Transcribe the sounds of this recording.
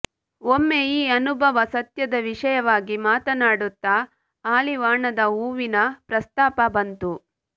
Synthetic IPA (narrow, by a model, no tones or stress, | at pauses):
omːejiːɐnubʱɐʋɐsɐt̪jɐd̪ɐʋiʂɐjɐʋaːɡimaːt̪ɐnaːɽut̪ːa | aːliʋaːɳɐd̪ɐuːʋinɐpɾɐst̪aːpɐbɐnt̪u